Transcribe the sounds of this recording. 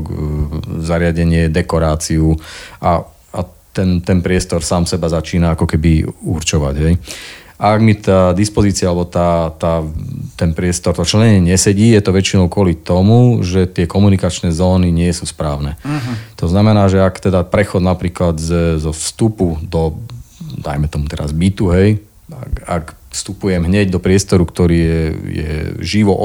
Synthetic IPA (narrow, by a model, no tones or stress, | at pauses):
zaɾɪaɟɛɲɪɛd̪ɛkɔɾaːt͡siua | at̪ɛnt̪ɛnpɾɪɛst̪ɔɾsaːmsɛbazat͡ʃiːnaakɔkɛbiuɾt͡ʃɔʋa̰ɟɦɛjʔaaɡmit̪aːd̪ispɔziːt͡sialɛbɔt̪aːt̪aːt̪ɛnpɾɪɛst̪ɔɾt̪ɔt͡ʃɛɲɛɲɪɛɲɛsɛɟiːjɛt̪ɔʋɛt͡ʃinɔʊkʊɔlit̪ɔmuʒɛt̪ɪɛkɔmunikat͡ʃnɛːzɔːniɲɪɛsuspɾaːʊnɛt̪ɔznamɛnaːʒɛakt̪ɛd̪apɾɛxɔd̪napɾiːklad̪zzɔfst̪upud̪ɔ | d̪a̰jmɛt̪ɔmut̪ɛɾa̰zbit̪uɦɛj | a̰a̰k | fst̪upujɛmɦɲɛɟd̪ɔpɾɪɛst̪ɔɾukt̪ɔɾiːjɛjɛ̰ʒiʋɔʔ